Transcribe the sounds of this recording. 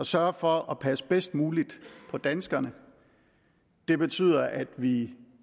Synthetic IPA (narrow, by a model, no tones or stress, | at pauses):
ɒ̽sɶɐfɒ̽ʔɒ̽pʰæsə̥b̥esd̥̚muːlid̥pʰɒ̽d̥ænsɡ̥ɐnə | d̥e̝b̥e̝t͡sʰy̰ːð̰ˠɐʔæd̥ʋi